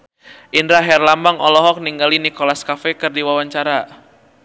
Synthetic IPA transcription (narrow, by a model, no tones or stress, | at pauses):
ʔindɾaɦɛrlambaŋɔlɔɦɔk̚niŋɡalinikɔlaskafɛkɨrdiwawaɲt͡ʃaɾa